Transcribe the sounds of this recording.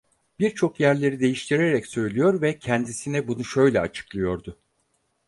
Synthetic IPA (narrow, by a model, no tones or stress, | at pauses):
b̥iɾt͡ʃʰo̞kjæɾlʲe̞ɾid̪e̞jiʃt̪ʰiɾeɾɛcsø̞jlʲijo̞ɾvɛcʰænd̪isinɛbunuʃø̞jlʲɛa̰t͡ʃʰɯ̥klˠɯjo̞ɾd̪ʊ